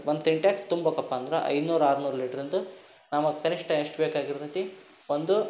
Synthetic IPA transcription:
ʋond̪ufiɳʈjaːkst̪umbɐkɐpːaːnd̪ɾɐʔɐ̰jd̪unuːɾaːɾunuːɾɐliːʈɐɾind̪u | namɐkɐniʂʈɐʂʈbeːkaːɡiɾut̪ɐt̪i | ond̪u

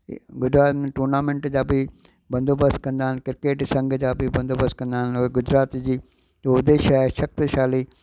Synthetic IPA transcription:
ɡʊd͡ʑɾaːt̪mẽʈuːɾnaːmẽɳʈd͡ʑaːbɪ | bɐ̃nd̪ʱoːbəskɐ̃nd̪aːɦɪnkɪɾkeːʈsɐ̃ŋɡʱd͡ʑaːbɪbɐ̃nd̪oːbəskɐ̃nd̪aːɦɪnʊeɡʊd͡ʑɾaːt̪d͡ʑiː | oʊd̪eːʃaɦʃɐk̚t̪ʃaːliː

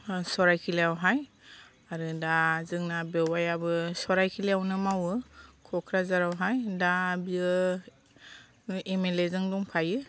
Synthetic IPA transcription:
sɔɾajkʰileawɦaj | aɾɯdazɯŋnabewajabɯsɔɾajkʰileawnɯmawɯkʰɔkʰɾazaɾawɦajdabiɯ | emelezɯŋduŋpʰajɯ

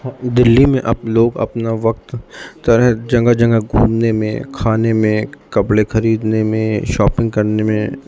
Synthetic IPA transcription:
d̪ɪlːimẽʔɐbloːɡɐ̰pnaʋɐk̚t̪t̪ɐɾəɦd͡ʒɐ̃ŋɡad͡ʒɐ̃ŋɡaɡʱuːmnemḛ̃kʰaːnemẽkɐpɽexɐɾiːd̪nemẽʃɔːpɪ̃ŋɡ̚kɐɾnemẽ

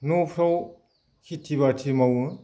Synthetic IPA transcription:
nopʰɾaw | kʰitʰiβatʰimawɯ

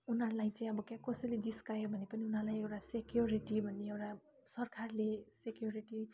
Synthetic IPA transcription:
unɦʌɾlaj̃t͡saĩʌbʌkãkʌsʌjlediskajobʱʌnepʌniunɦʌlajewʈasekjoɾiʈibʱʌnːeewʈa | sʌrkʰarlesekjoɾiʈi

